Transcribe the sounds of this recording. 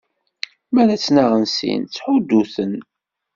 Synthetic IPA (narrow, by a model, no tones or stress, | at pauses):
mæɾæt͡sːnaʁənsḭnt͡sːħʊd̪ːuθən